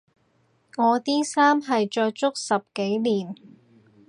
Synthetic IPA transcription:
ŋɔː˨˧t̪iː˥saː˥mɦɐ˨jt͡ʃɔː˧jt͡ʃʊ˥k̚sɐ˨p̚ke˨˥jliː˨˩n

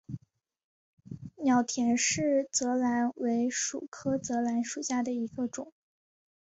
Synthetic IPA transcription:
njɑ˨˩ʊt̪ʰjɛ˧˩˥nʂɻ̩˥˩t͡sɤ˧˥la˧˥nwe˧˥ɪʂu˨˩kʰɤ˥t͡sɤ˧˥la˧˥nʂu˨˩ɕja˥˩d̪ə˩i˧˥ɡə˧ʈ͡ʂʊ˨˩˦

